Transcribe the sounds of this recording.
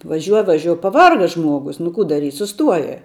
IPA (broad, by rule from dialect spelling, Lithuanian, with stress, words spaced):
ʋɐˈʒʲuɔ ʋɐˈʒʲuɔ pɐˈʋɐrɡɐ ˈʒmuɔɡʊs nʊ ˈkuː dɐˈrʲiːtʲ sʊˈstuɔjɛ